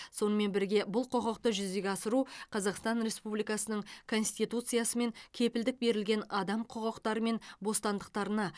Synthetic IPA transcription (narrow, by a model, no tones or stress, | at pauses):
so̞nəme̞nbɪɾɡʲe̞bʊlˠqʰoʁɑqt̪əʒʏzd̪eɡʲɑsəɾuqʰɑzɑqst̪ɑnɾe̞spublijkɑsənəɴkʰo̞nsʲt̪ijt̪ut̪sɨjɑsəme̞ŋkʲʰe̞pɪld̪ɪk̚be̞ɾɪlɡʲe̞nɑd̪ɑmqʰoʁɑqt̪ɑɾəme̞nbo̞st̪ɑnd̪əq̚t̪ɑɾənɑ